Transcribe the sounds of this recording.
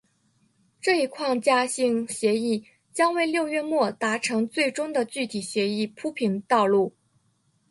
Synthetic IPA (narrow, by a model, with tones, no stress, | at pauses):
ʈ͡ʂɤ˥˩i˧˥kʰwɑ˥˧ŋt͡ɕja˥˧ɕi˥˩ŋɕjɛ˧˥i˥˩ | t͡ɕjɑ˥ŋwe˥˧ɪljo˥˧ʊɥɛ˥˧mwɔ˥˩t̪a˧˥ʈ͡ʂʰɤ˧˥ŋt͡swe˥˩ɪʈ͡ʂʊ˥ŋd̪ə˨t͡ɕy˥˩t̪ʰi˨˩ɕjɛ˧˥i˥˩pʰu˥pʰi˧˥nt̪ɑ˥˧ʊlu˥˩